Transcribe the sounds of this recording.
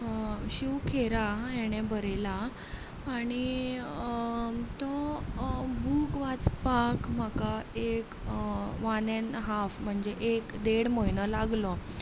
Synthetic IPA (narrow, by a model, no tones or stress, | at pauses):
ɕukʰeɾajɛɽ̃ebʱəɾelaː | ɽ̃i | t̪ɔ | bʱukʋat͡spãkm̤akaekʋanenɦafm̤əɳd͡ʑeʔekd̪eɽməjnəlaɡlɔ